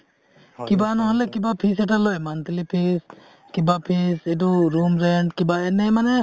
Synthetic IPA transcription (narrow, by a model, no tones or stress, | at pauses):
kibanɔɦɔlɛkibapʰis̬ɛʈalojmant̪ilipʰis | kibapʰisɛduɾumɾɛɳɖkibaɛnɛmanɛ